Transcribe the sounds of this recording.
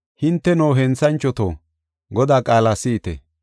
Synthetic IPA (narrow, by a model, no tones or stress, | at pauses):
hɪnt̪ːɛnoːɦɛnt͡sɐnt͡ʃːɔt̪o̰ː | ɡɔd̪aːkʼaːlaːsɪːt̪ɛ̰